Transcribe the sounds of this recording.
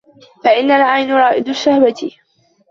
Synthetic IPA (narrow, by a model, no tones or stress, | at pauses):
faʔɪnːalʕajnʊɾˤɑːʔɪd̪ʊʃahwat̪ɪ